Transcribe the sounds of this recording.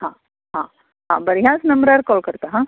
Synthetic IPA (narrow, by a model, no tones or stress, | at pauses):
hãː | ɦã | ɦã̰ːbɐɾijãːsnɐmbɾaːɾkɔːɭkɐɽt̪aɦã